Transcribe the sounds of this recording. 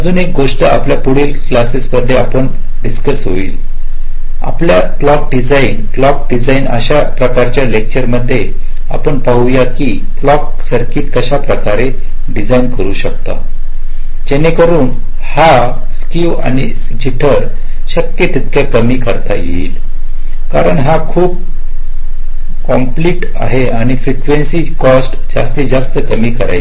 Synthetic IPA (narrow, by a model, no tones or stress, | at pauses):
əd͡zuːnek̚ɡoʂʈəa̰pljapuɽiːlklasesməd̪ʱːjeapəɳ | ɖiskəsɦo̰ḭːl | a̰plja | klɔk̚ɖid͡zainklɔk̚ɖid͡zainə̰ɕapɾəkaɾt͡ɕjalek̚t͡ɕəɾməd̪ʱːje | a̰pəɳpaɦujakiː | klɔk | səɾkiːt̪kəɕapɾəkaɾe | ɖid͡zainkəɾuːɕək̚t̪a̰ | d͡ʑenekəɾuːn | ha | skiʋa̰ñi | d͡ʑiʈʰəɾ | ɕəkjet̪it̪kʰjakəmiːkəɾt̪a̰jḛḭːl | kaɾəɳɦakʰuːb̚ | kɔmpliːʈ | a̰ɦeaɽ̃ifɾikʋensiːkɔsʈd͡za̰st̪ed͡zast̪əkəmiːkəɾa̰j